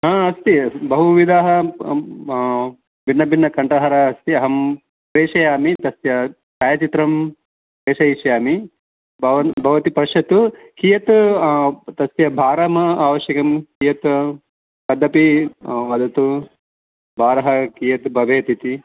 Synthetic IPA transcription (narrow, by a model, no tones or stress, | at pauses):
ɦaːɐst̪ibɐɦuʋid̪aːɦɐ | binːɐbʱinːɐkɐɳʈɐɦɐɾɐɐst̪iɐɦɐm | pɾeːʂɐjaːmit̪ɐsjɐ | t͡ʃaːjɐt͡ʃit̪ɾɐm | pɾeːʃɐiʃjaːmi | bɐʋɐbʱɐʋɐt̪ipɾɐʃɐt̪u | kiːjɐt̪ | t̪ɐsjɐbʱaːɾaːmɐaːʋɐʃjɐkɐmkijɐt̪ | pɐd̪ʱːɐpiʋɐd̪ʱɐt̪u | bʱaːɾɐɦɐkijɐt̪bʱɐʋeːt̪it̪i